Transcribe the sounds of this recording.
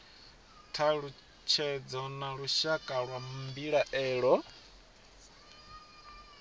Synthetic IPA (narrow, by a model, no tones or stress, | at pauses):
tʰaɺu | t͡ʃʰɛd͡zɔnaɺuʃakʼaɺwammbiɺaʔɛːɺɔ